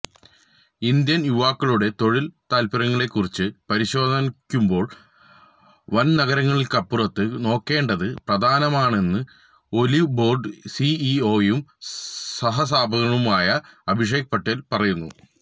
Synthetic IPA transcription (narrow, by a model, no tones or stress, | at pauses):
ind̪jɐnjuʋaːkːiɭuɽe̞t̪o̞ɻilt̪aːlpɐɾɐŋːɐɭe̞kːurit͡ɕːɨpɐɾiɕo̞ːd̪ʱɐnkʲːumbo̞ːɭ | ʋɐnnɐɣɐɾɐŋːɐɭilkɐpːurɐt̪ːɨno̞ːkːe̞ːɳɖɐðɨprɐd̪ʱaːnɐmaːɳe̞nːɨ | o̞libo̞ːrɖɨsiio̞ːjumsɐɦɐs̬aːbʱɐɣɐɳumaːjɐɐbʱiʂ̬eːɡɐpɐʈːelpɐrɐjunːṵ